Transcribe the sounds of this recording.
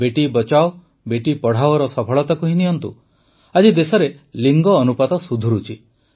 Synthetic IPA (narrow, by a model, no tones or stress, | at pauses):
beʈibɔt͡ʃao | beʈipɔɽ̤awɔɾɔsɔpʰɔɭɔt̪akuɦiniɔnt̪ṵ | ad͡ʒid̪esɔɾe | liŋɡɔːnupad̪ɔsud̪ʱuɾut͡ʃʰi